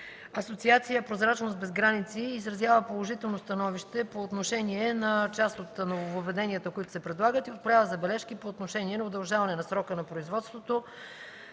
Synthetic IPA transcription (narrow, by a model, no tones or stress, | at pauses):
ɐsot̪siat̪sijəpɾozɾat͡ʃnost̪̚bɛzɡɾanit̪siːzɾɐzʲjavəpolˠoʒit̪ɛlˠnost̪ɐnɔviʃt̪ɛpoːt̪noʃɛniɛnɐt͡ʃast̪ot̪novovovɛd̪ɛniət̪əkoit̪ʊ̥sɛpɾɛd̪lˠaɡət̪iot̪̚pɾavəzɐbɛlɛʃkipoːt̪noʃɛniɛnɐod̪ɐlˠʒavɐnɛnɐsɾɔkənɐpɾoizvɔt̪st̪vot̪o